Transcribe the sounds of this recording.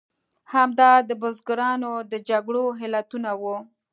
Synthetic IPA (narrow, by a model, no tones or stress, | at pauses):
hamd̪ɑd̪əbʊzɡʊɾɑnod̪əd͡ʒaɡɽoɦɪlat̪unawu